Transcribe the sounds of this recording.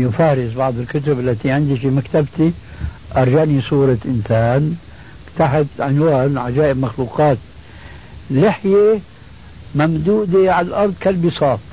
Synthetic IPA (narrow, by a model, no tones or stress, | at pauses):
jɪfaːɾɪzbɑʕd̪ˤɪlkʊt̪ʊbʔalːat̪iʕɪnd̪ifimakt̪abt̪i | ʔɑɾˤʒanisˤuːɾˤɑʔɪnsaːn | t̪aħat̪ʕɪnwaːnʕad͡ʒaːʔɪbmaxluːqɑːt̪ | lɪħje | mamd̪uːd̪eʕallʔɑɾˤd̪ˤkalbɪsɑːt̪ˤ